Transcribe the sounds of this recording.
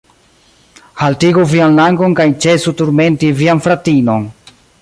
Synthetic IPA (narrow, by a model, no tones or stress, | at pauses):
haltiɡuvianlaŋɡo̞nkajt͡ʃe̞sutuɾme̞ntivianfɾatino̞n